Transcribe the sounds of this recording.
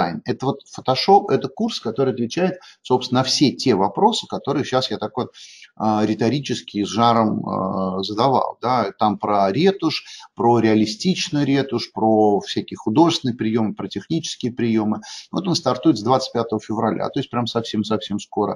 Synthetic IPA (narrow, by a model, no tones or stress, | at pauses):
a̰jnɛt̪əvo̞t̪fə̥t̪ɐʂo̞pɛt̪əkurskɐt̪o̞ɾɨɪɐt̪vʲɪt͡ɕæjɪt̪sopsʲnənəfsʲetʲevɐpɾo̞sɨ̥kɐt̪o̞ɾɨjəɕasjat̪akvot̪əɾʲɪt̪ɐɾʲit͡ɕɪskʲɪzʐaɾəmə̰zəd̪ɐva̰lˠd̪at̪ampɾəɾʲet̪ʊʂpɾoɾʲɪɐlʲɪsʲtʲit͡ɕnɨjɾʲe̞t̪ʊʂpɾofʲsʲækʲɪjəxʊd̪o̞ʐɨsʲɪnəjəpɾʲɪjo̞mɨpɾətʲɪxnʲit͡ɕɪ̥skʲɪjəpɾʲɪjo̞mɨvo̞t̪o̞nst̪ɐrt̪uɪt̪zd̪vat̪sɨ̥t̚ʲpʲat̪əvəfʲɪvɾɐlʲʔa̰t̪o̞ɪsʲt̚ʲpɾʲaməsɐfsʲe̞msɐfsʲe̞msko̞ɾə̰